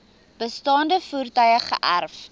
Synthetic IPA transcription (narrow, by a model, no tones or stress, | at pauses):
b̥əstɑːndəfurtœjəχə̰ʔærf